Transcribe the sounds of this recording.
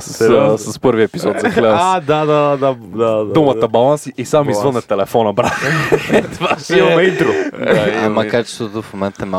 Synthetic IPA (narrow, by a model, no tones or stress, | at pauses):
səssəspɤɾviɛpizɔt̪zɐɡlɛd̪əsd̪ad̪ad̪ad̪aad̪umət̪əbɐlˠansiʔisamizvənːɛt̪ɛlɛfɔnɐbɾaxt̪vaʃiomɛint̪ɾoamɐkat͡ʃɛ̥st̪vot̪ofmomɛnt̪ɛma